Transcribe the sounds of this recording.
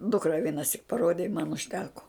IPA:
ˈdʊkrɐ ʋʲiɛnɐˈsʲɪk pɐˈroːdʲeː ɪ mɐn ʊʃʲˈtʲæːkoː

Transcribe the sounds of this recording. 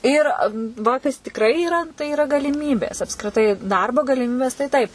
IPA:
ˈiːr ˈʋɐ ˈkɐs tʲɪkˈrɐɪ iːˈrɐ tɐɪ iːˈrɐ ɡɐlʲɪˈmʲiːbʲeːs ɐpskrʲɪˈtɐɪ ˈdɐrboː ɡɐlʲɪˈmʲiːbʲeːs tɐɪ ˈtɐɪp

